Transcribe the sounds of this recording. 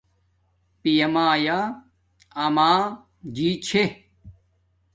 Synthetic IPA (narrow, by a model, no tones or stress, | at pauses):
pijɐmaːja | ɐmaː | d͡ʑiːt͡ɕʰe